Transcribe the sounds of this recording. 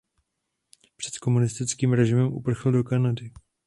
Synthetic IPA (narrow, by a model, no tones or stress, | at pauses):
pr̥ɛ̥t̪ko̞munɪst̪ɪt͡skiːmɾɛʒɪmɛmʔṵpr̩xl̩do̞kanadɪ